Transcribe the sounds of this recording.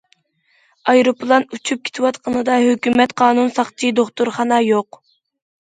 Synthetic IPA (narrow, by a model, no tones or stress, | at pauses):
ɑjɾopʰlˠɑnut͡ʃʰyp̚kʲʰe̥t̪ʰɪwɑt̪qʰənɨd̪ɑɦøkʲymɛt̪qʰɑːnunsɑχt͡ʃʰid̪oχt̪uɾχɑnɑjoq